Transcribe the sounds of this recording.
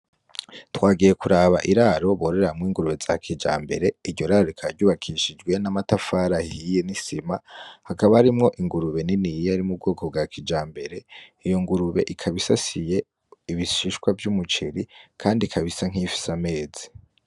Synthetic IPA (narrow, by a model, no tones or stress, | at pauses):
twaːɡije̞kuɾaβa̰ʔiɾaɾo̞βoɾe̞ɾamŋwiːŋɡuɾuβe̞za̰kʰid͡ʒa̰ːmbe̞̰ɾe̞iɾɟo̞ɾaːɾoikʰaɾɟuːβakʰiʃid͡ʒɡwe̞namatafaɾahijenisimahakaβahaɾimŋo̞ʔiŋɡuɾuβe̞ninijaɾimub̚ɡo̞ːkʰo̞b̚ɡakʰid͡ʒaːmbe̞ɾe̞ijo̞ŋɡuɾuβe̞̰ʔikʰaβisasije̞ | iβiʃiʃkwavjumut͡ʃiɾikʰaːndikʰaβisaŋ̥ifi̥same̞ːzi̥